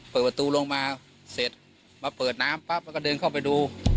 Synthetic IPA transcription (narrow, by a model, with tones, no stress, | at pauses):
pɤː˨˩t̚a˧t̪uː˧lo˧ŋmaː˧ | se˨˩t̪̚ | maː˧pɤː˨˩t̪̚naː˦˥mpa˦˥p̚lɛ˥kɔ˥˩dɤː˧nkʰa˥˩wp̬a˧jduː˧